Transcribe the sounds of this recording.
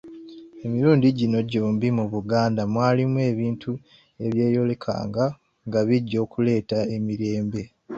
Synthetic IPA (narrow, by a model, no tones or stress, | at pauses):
e̞miɾuːndiɟino̞ɟuːmbimuβuɡaːndamwaːlimwe̞ːβiːntʰu | e̞βje̞ːjo̞le̞kʰa̰ːŋɡa | ŋɡaβiɟːo̞ːkule̞ːtae̞miɾe̞ːmbe̞